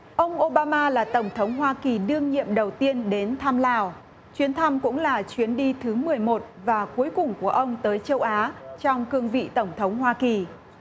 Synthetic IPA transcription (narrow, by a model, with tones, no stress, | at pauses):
ʔə˧wŋ͡mʔo˧ɓaː˧maː˧laː˨˩t̪ə˧˩wŋ͡mt̪ʰə˨˦wŋ͡mhwaː˧ki˨˩ɗɨ˧əŋɲḭ˧˨əmɗə˨˩wt̪i˧ənɗe˨˦nt̪ʰaː˧mlaː˧˩w | t͡ɕwi˨˦ənt̪ʰa˧mkʊ̰˧˥ŋ͡mlaː˨˩t͡ɕwi˨˦ənɗi˧t̪ʰɨ˨˦mɨ˨˩əjmo˨˩t̚vaː˨˩ku˨˦əjkʊ˨˩ŋ͡mku˧˩əʔə˧wŋ͡mt̪əː˨˦jt͡ɕə˧wʔaː˨˦t͡ɕɔ˧wŋ͡mkɨ˧əŋvḭ˧˨t̪ə˧˩wŋ͡mt̪ʰə˨˦wŋ͡mhwaː˧ki˨˩